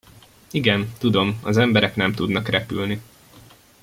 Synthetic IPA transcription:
iɡɛnt̪ud̪o̞mɒzɛmbɛɾɛknɛmt̪ud̪nɒkrɛpy̰lni

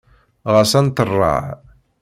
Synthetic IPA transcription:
ʁəsænt̪ərˤːɑ̰ʕ

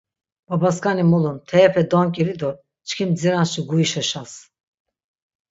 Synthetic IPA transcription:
b̥abaskanimulˠunt̪ʰɛpʰɛd̪ɔŋkʲʼiɾid̪oɾ | t͡ʃʰkʰimziɾanst͡ʃiɡujiʃaʃas

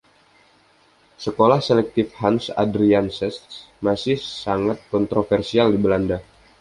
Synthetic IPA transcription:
səkolahselɛk̚t̪ɪfhansadɾiansɛss | masɪhsaŋat̪̚kɔnt̪ɾofɛrsialdibəlanda

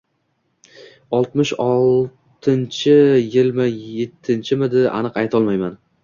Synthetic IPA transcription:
ɒlˠt̪mɪʃɒlˠ | t̪ʰɪnt͡ʃʰɪjɪlmɪjet̪ʰːɪnt͡ʃʰɪmɪd̪ɪa̰nɨqajt̪ʰɒlˠmajman

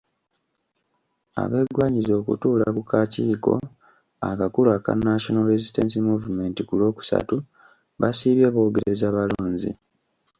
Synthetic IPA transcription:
a̰βe̞ːɡwaːɲizo̞ːkṵtuːlakukaciːko̞̰ | a̰kakulaːka̰nːaʃonoɾezistens̬imuːvume̞ːntikulo̞ːku̥sa̰tu | βasiːβjaːβo̞ːɡeɾeezaːβaluːɲzḭ

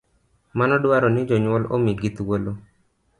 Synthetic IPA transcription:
manɔdwaɾɔnɪd͡ʒɔɲwɔlo̰miɡit̪wolo

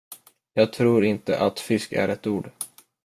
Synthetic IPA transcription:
jɑːɡ̚t̪ʰɾuːɾɪnt̪ə̰ʔat̪fɪskæ̰ɾɛt̪uːɖ

